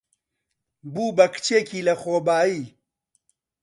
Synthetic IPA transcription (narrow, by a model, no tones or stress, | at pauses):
buːbɐkt͡ʃeːkʰiːlɐxoːbaːi